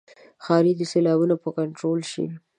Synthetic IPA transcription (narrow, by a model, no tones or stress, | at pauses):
xɑɾid̪əselɑbunopəkaɳʈɾolʃḭwi